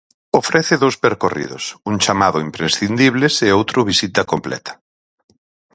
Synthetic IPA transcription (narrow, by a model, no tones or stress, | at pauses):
ofɾɛθɪðowspeɾkorḭðʊ̰suŋt͡ʃamaðʊimpɾesθind̪iβ̞leseowt̪ɾʊβisit̪ɐkomplɛ̰t̪ʰɐ̥